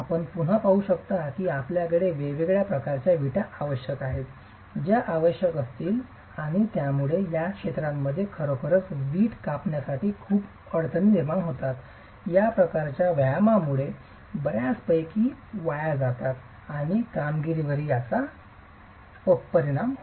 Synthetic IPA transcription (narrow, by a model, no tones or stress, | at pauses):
apəɳpuɽ̤əpaɦuɕəkt̪at̪iːapljakəɭeʋeʋeɡɭjapɾəkaɾt͡ɕjaʋiʈaːʋəɕjəkaɦet̪ | d͡ʑjaʔaʋəɕjəkəst̪iːl | aɽ̃it̪jamuɭejakʂet̪ɾamːəd̪ʱːjekʰəɾokʰəɾət͡sʋiːʈkapɳjasaʈiːkʰuːp | əɽt̪ʰənːiɾmaɳɦot̪at̪ | japɾəkaɾt͡ɕjaʋjamamuɭe | bəɾjaspəjkiːʋajad͡zat̪at̪ | aɽ̃ikamɡiɾiʋəɾiːasa | opəɾiɽ̃am